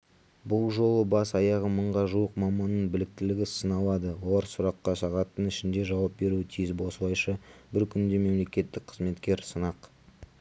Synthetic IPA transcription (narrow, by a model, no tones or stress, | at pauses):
bʊlˠʒo̞lˠəbɑsɑjɑʁəməɴʁɑʒuwəqmɑmɑnːəɴbɪlɪk̚t̪ɪlɪɡʲɪsənɑlˠɑd̪əwolˠɑɾsʊɾɑqːɑʃɑʁɑt̪ːənɪʃɪnd̪e̞ʒɑwɑp̚be̞ɾuɪt̪ʰijɪzbo̞slˠɑjʃəbɪɾkʲʰʏnd̪e̞me̞mle̞kʲe̞t̪ːɪk̚qʰəzme̞t̪kʲe̞ɾsənɑq